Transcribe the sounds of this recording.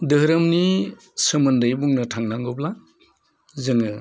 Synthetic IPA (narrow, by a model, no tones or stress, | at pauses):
dɯɦɾɯmni | sɯmɐndɯjbuŋnɯtʰaŋnaŋɡɔpla | zɯŋɯ